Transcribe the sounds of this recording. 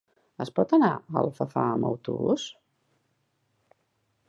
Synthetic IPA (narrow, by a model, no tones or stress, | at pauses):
əspɔt̪ənaəlˠfəfaəməwt̪uβṵs